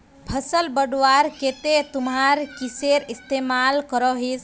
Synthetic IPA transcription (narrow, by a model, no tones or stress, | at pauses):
pʰəsəlbəɖwaɾket̪et̪umɦaɾkiseɾist̪emalkəɾɔɦes